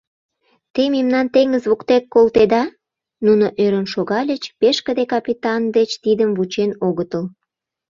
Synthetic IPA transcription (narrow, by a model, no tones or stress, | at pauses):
t̪ememnɑnt̪eŋɡəzβukt̪ekːolt̪ed̪ɑ | nunoʔøɾənʃoɣɑlʲət͡ɕpeʃkə̆d̪ekɑpʲit̪ɑnd̪et͡ɕt̪id̪əmvut͡ɕenoɣət̪əl